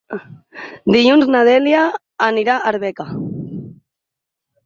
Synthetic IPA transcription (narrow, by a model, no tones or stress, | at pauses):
d̪iʎunznaðɛljaː | niɾaʔaɾβɛka